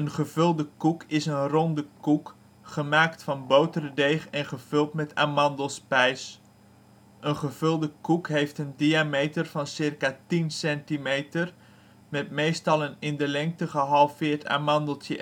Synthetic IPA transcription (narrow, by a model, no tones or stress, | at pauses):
ənχəvɵlˠdəkukʰɪsənrɔndəkuk | χəmaːktfɑnbowtərədejχɛnχəv̥ɵlˠtmɛta̰ːmɑndəlˠspɛjs | ʔənχəv̥ɵlˠdəkukɦejftəndiamejtərvɑnsɪrkatinsɛntimejtər | mɛtmejstɑlˠənɪndəlɛŋk̚təχəɦɑlˠfɪːɹtʰa̰ːmɑndəlˠtjə